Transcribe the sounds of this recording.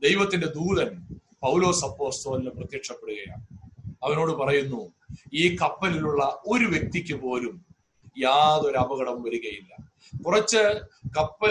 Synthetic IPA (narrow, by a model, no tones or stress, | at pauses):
d̪e̞jʋɐt̪ːinde̞d̪uːðɐnpɐwlo̞ːsɐpːo̞ːst̪o̞ːlinɨprɐt̪jekʂɐpːe̞ɽuɣɐja̰ːɳɐʋɐno̞ːɽɨpɐrɐjunːu | iːkɐpːɐliluɭːɐʔo̞ɾuʋje̞k̚t̪ikʲːɨpo̞ːlum | jaːðo̞ɾɐbɐɣɐɽɐmʋɐɾuɣɐjilːɐ | kurɐt͡ɕːɨkɐpːɐ